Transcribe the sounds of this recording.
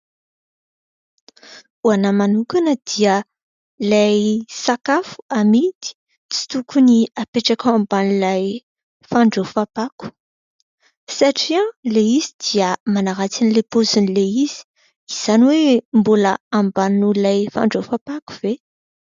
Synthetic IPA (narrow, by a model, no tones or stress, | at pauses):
uanamanukanəd̪̥iə | lajsakafu̥amit̪i̥ | t͡si̥t̪ukuniapeʈ͡ʂakawãmbanilaj | faɳɖ͡ʐofapaku̥ | saʈ͡ʂiãleizid̪̥iəmanaɾat͡sinilepozunleiz̥i̥ | iz̥aniwembuləambanulajfa̰ɳɖ͡ʐofapaku̥v̥e